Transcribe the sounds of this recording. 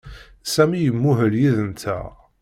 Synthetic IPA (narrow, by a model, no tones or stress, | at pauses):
sæmijəmːʊɦəljiðənt̪ʰæ̰